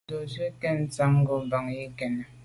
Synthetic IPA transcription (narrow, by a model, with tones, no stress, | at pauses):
o˨se˦kɛ˦n̩˦t͡sa˨˦ŋ˦ɡo˨ba˨ŋji˦kɛ˨n˨